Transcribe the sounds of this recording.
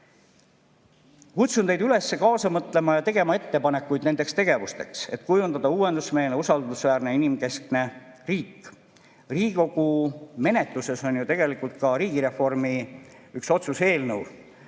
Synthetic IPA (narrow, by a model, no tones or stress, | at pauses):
kut̪sunejd̪yle̞sːe̞kɑːsɑmɤt̪ːˑle̞mɑjɑt̪e̞ɡ̥e̞mɑe̞t̪ːe̞pɑne̞kːˑujd̪ne̞nd̪̥e̞kst̪e̞ɡ̥e̞vust̪e̞̰kse̞̰t̪ːˑkujund̪ɑd̪̥ɑuːwe̞nd̪usme̞ːlneusɑld̪usvæːrne̞inimke̞skne̞riːkː | riːɡiko̞ɡ̥ume̞ne̞t̪ˑluse̞so̞njut̪e̞ɡ̥e̞likˑult̪̚kɑɾiːɡiɾe̞fo̞rmiykso̞t̪suse̞ːlnəw